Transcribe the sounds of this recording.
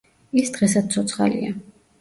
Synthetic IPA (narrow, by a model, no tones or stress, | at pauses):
isd̪̥ʁɛsat̪̚t̪sʰɔt̪sʰχa̰lḭa